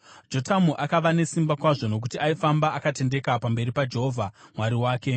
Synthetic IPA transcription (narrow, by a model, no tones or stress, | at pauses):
d͡ʒo̞tamuʔakaʋane̞simbakwaʐono̞k̬utiaifambaʔakate̞nde̞kapambe̞ripad͡ʒe̞ɦoːvʱamwaɾiwaːke̞